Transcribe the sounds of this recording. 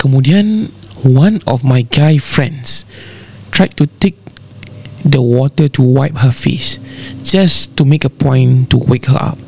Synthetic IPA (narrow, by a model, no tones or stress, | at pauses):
kɔmudiə̃nwãnɔfmajɡajfɹɛ̰̃ns | tɹaɪtutek̚ | dəwɔtətʰuwaɪp̚həfḛsd͡ʒastumekəpʰɔ̃j̃ntuwekhə̰a̰p̚